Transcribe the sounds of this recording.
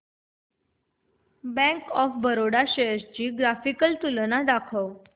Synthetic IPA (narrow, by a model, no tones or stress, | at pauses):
bɛ̃ŋkɔfbəɾoɽaɕejəɾt͡ɕiːɡɾafikəlt̪ulənad̪akʰəw